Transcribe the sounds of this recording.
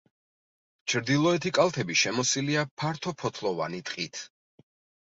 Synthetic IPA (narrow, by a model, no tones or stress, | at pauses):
t͡ʃʰɾd̪ilˠɔɛt̪ʰikʼalˠt̪ʰɛbiʃɛmɔsiliapʰaɾt̪ʰɔpʰɔt̪ʰlˠɔvanit̪ʼqʼit̪ʰ